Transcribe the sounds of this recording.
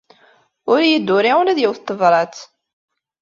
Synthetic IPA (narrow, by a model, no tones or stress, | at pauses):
ʊɾjəd̪ːʊɾiulæðjiwθt̪ˤːəvɾˤɑt͡s̪